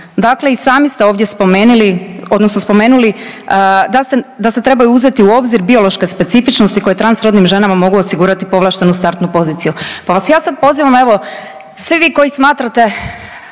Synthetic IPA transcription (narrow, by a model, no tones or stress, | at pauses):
d̪akle̞isaːmist̪eo̞ːʋd̪jespo̞me̞ːnulio̞d̪nosno̞spo̞me̞ːnuli | d̪ased̪ase̞t̪ɾe̞bajuuze̞t̪iuo̞bziɾbio̞lo̞ʃke̞spe̞t̪sifit͡ʃnost̪iko̞je̞t̪ɾansɾo̞d̪nimʒe̞namamo̞ɡuosiɡuːɾat̪ipo̞ʋlˠaːʃt̪e̞nust̪aɾt̪nupo̞ziːt̪sijupaʋasjaːsad̪̚po̞ziʋame̞ʋo̞ | sʋiʋiːko̞jismaːt̪ɾat̪e̞